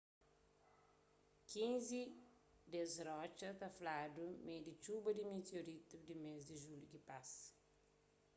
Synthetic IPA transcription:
kĩnzi | d̪ezɾɔt͡ʃɐt̪ɐflad̪umed̪it͡ʃubɐd̪imit̪joɾit̪ud̪imezd̪iʒuljukipas

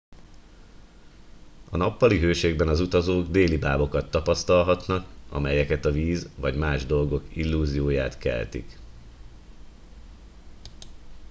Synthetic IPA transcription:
ɒnɒpːɒliɦøːʃeːɡbɛnɒzut̪ɒzoːɡd̪eːlibaːbo̞kɒt̪ːɒpɒst̪ɒlɦɒt̪nɒkɒ̰mɛjɛkɛt̪ɒviːzvɒɟmaːʒd̪o̞lɡo̞kilːuːzijoːjaːt̪kɛ̰lt̪ḭk

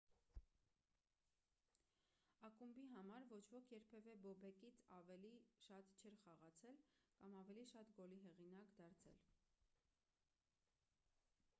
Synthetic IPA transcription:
ɑkumbiɦɑmɑɾvɔt͡ʃʰvɔkʰjɛɾpʰɛvɛbɔbɛkit͡sʰɑvɛliʃɑt̪t͡ʃʰɛɾχɑʁɑt͡sʰɛlkɑmɑvɛliʃɑt̪ɡɔliɦɛʁinɑkd̪ɑɾt͡sʰɛ̰l

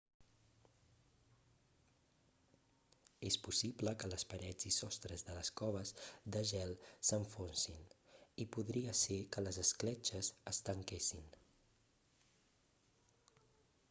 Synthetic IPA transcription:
espusibləkələspəɾɛd͡zisɔst̪ɾəzðələskɔβ̞əzd̪əʒɛlˠsəɱfonsinipuðɾiəsekələzəsklɛt͡ʃəzəst̪əŋkesin

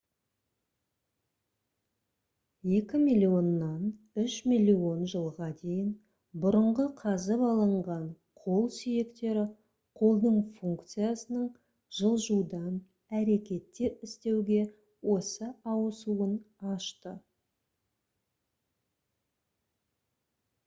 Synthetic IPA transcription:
je̞kʲɪmilʲijo̞nːɑn | ʏʃmilʲio̞nʒəlˠʁɑd̪e̞jɪn | bʊɾəɴʁəqʰɑzəpɑlˠəɴʁɑɴ | qʰo̞lˠsʏjekt̪e̞ɾɪ | qʰo̞lˠd̪əɴfuŋkt̪sɨjasənəɴ | ʒ̥əlˠʒud̪ɑn | æɾe̞kʲe̞t̪ːeɪst̪e̞wɡʲe̞ | wo̞səɑwəsuən | ɑʃt̪ə

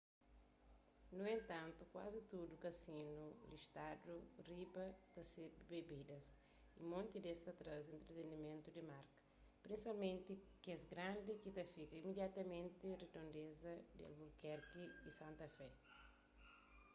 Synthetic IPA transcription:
nuẽnt̪ãnt̪ukwazit̪ud̪ukɐsĩnuliʃt̪ad̪uribɐt̪ɐsed̪ubebid̪ɐs | imõnt̪id̪est̪ɐt̪ɾazẽnt̪ɾet̪enimẽnt̪ud̪imaɾkɐ̥ | pɾĩnsipalmẽnt̪ikɛzɡɾãnd̪ikit̪ɐfikɐimid̪jat̪ɐmẽnt̪ired̪õnd̪ezɐd̪a̰lbulkɛɾkiisãnt̪ɐfɛ

